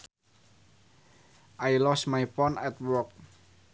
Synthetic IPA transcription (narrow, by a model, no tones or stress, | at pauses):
ʔajlɔsmajfɔnɛt̪̚wɔk̚